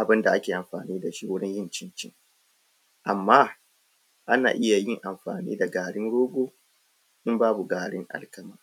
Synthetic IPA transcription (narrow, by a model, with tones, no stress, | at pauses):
ʔa˨bɪ˦nda˨ʔa˦kʲeː˨ʔa˨mɸaː˨niː˦da˨ʃi˦wʊ˦ɽɪ˦ɲjɪ˦˨nt͡ʃɪ˦nt͡ʃɪ˦ŋ | ʔa˨mːaː˦ | ʔa˦na̰ː˨ʔɪ˦ja˨jɪ˦ŋʔa˨mɸa̰ː˨nḭː˦da˨ɡaː˨ɽɪ˦ŋɽoː˦ɡʷoː˦ | ʔɪ˦mbaː˦bu˨ɡaː˨ɽɪ̰˦ŋʔa̰˨lkɐ˨maː˨